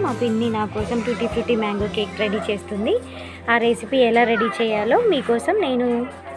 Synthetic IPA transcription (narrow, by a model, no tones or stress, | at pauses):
maːpinːinaːkɔːsɐmʈ̪uʈiːt̪ʰifʈiːmaːŋɡoːkeːkɾeɽit͡ʃe̞ːst̪und̪i | aːɾeːsipiːɛlaːɾeɽit͡ʃɛːjaːlo̞ːmiːkɔːsɐmne̞ːnu